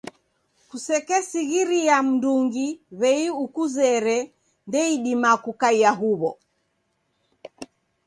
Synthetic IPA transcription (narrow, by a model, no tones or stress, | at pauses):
kusɛkɛsiɣiɾiam̩nduŋɡiβɛiukuzɛɾɛ | ndɛiɗimakukaiaɦuβɔ̰